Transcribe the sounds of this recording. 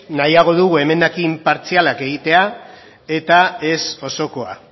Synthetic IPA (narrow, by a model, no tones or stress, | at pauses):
najaɣ̞o̞ðuɣue̞me̞nd̪akimpaɾt͡sialake̞ɣ̞it̪e̞a | e̞t̪ae̞so̞so̞ko̞a̰